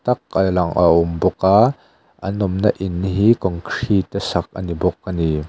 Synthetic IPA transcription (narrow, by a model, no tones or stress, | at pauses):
t̪ɐk̚alɐŋʔa̰ʔʊmbɔka | ʔɐ̰nɔmnaʔɪnːɦikɔŋkʰr̥it̪ɛsɐk̚ʔɐ̰nibɔkːani